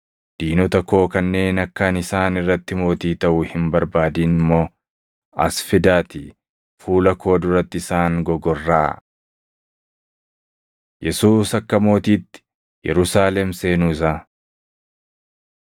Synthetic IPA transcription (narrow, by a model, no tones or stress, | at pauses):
d̪̥iːnɔt̪ɐkːo̞ːkɐnːe̞ːnɐkːɐnɪsaːnɪrːɐt̪ːɪmo̞ːt̪iːt̪ɐʔʊhɪmbɐɾbaːd̪iːnɪmːo̞ː | ɐ̰sfɪd̪aːt̪ɪ | fuːlɐkʰo̞ːd̪ʊɾɐt̪ːɪɪsaːŋɡɔɡɔrːa̰ː | jɛsuːsɐkːɐmo̞ːt̪iːt̪ːɪ̥ | jɛ̰ɾʊsaːlɛmse̞ːnʊɪs̬aː